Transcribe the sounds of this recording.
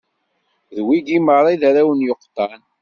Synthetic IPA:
ðwiɡiməɾˤɑjðaɾawənjoqːt̪ˤːɑn

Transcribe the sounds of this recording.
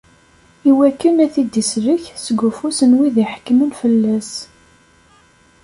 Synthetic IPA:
iwækːənæθid̪isɾəçsəɡufusənwiðiħə̥kːmənfəlːæs

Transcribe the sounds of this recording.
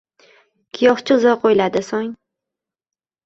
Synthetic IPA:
kʲʰɪjɒχt͡ʃʰɪzɒqʰojlad̪ɪsɒŋ

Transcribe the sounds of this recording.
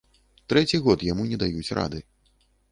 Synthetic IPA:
t̪ɾɛt͡sʲiɣɔt̪jamunʲɛd̪ajut͡sʲrʔa̰d̪ɨ

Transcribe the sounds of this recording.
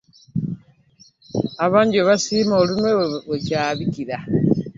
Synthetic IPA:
aβaːɲɟioβasiːmoːlunwewecaːβikiɾa

